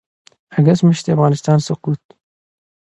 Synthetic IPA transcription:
aɡasməʃt̪eafɣɑːnɪst̪ɑnsʊquːt̪̚

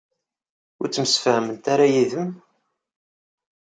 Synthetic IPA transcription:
ʊɾt͡sːəməsfæhmənt̪aɾajiðəm

